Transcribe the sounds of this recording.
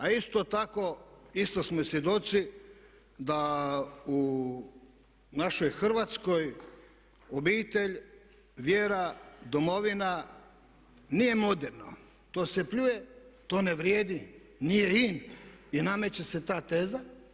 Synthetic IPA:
aist̪ot̪ako̞ist̪osmosjed̪o̞t̪si | d̪a | u | naʃo̞jxr̩ʋat̪skoj | obiːt̪e̞ʎ | ʋjeːɾad̪omo̞ʋina | nije̞mo̞d̪eɾno̰ | t̪o̞ːsepʎuje̞t̪o̞ːneʋɾjeːd̪i | nije̞ininame̞t͡ɕeset̪aːt̪e̞ːza

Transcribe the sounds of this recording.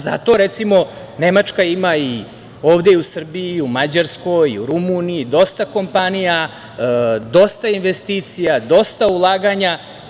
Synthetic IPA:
za̰t̪o̞ɾet̪simo̞ | ne̞mat͡ʃkaimai | o̞ːʋd̪e̞iusr̩biiumad͡ʑaɾsko̞jḭuɾumunijid̪o̞st̪ako̞mpanija | d̪o̞st̪ainʋe̞st̪iːt̪sijad̪o̞st̪aulˠaːɡaɲa

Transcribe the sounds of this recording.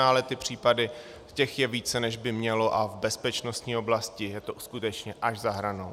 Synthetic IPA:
aːlɛt̪ɪpr̝̥iːpadɪ | cɛxjɛviːt͡sɛnɛʒbɪmɲɛlo̞ʔavbɛspɛt͡ʃno̞st̪ɲiːo̞blascɪjɛt̪oʔuskut̪ɛt͡ʃɲɛʔaʒzaɦɾanow

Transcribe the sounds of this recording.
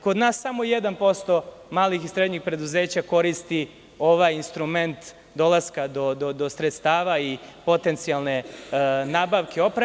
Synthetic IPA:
ko̞d̪naːsːamojed̪anpo̞st̪o̞ | maːlixisɾed̪ɲixpɾe̞d̪uze̞ːt͡ɕako̞ɾist̪i | o̞ʋajinst̪ɾume̞nt̪ | d̪o̞laskad̪o̞d̪od̪osɾet̪st̪aːʋaipo̞t̪ent̪sialˠne̞naːbaʋkeo̞pɾa

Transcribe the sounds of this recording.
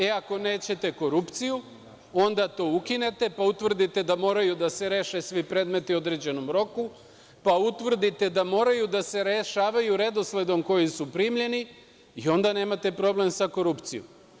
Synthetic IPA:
eako̞ne̞ːt͡ɕe̞t̪e̞ko̞ɾupt̪siju | o̞nd̪at̪o̞ːukine̞t̪e̞paut̪ʋr̩d̪it̪e̞d̪amo̞ːɾajud̪ase̞ɾe̞ʃesʋipɾe̞ːd̪me̞t̪io̞d̪ɾe̞d͡ʑe̞no̞mɾo̞ku | paut̪ʋr̩d̪it̪e̞d̪amo̞ːɾajud̪ase̞ɾeʃaːʋajuɾe̞d̪o̞sle̞d̪o̞mko̞jisupɾiːmʎe̞ni | io̞nd̪ane̞ːmat̪e̞pɾo̞ble̞msako̞ɾupt̪sijo̰m

